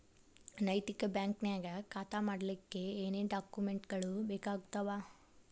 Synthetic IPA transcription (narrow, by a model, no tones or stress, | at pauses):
nɐjt̪ikɐbjaːŋknaːɡɐkaːt̪aːmaːɽɐlikːeeːneːɖaːkjumeɳʈɡɐɭubeːkaːɡut̪ɐʋaː